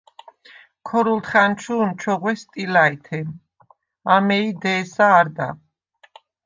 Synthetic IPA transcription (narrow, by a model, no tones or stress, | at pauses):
kʰɔɾult̪χant͡ʃʰuːnt͡ʃʰɔʁwɛst̪ʼilait̪ʰɛm | amɛid̪ɛːsaːɾd̪a̰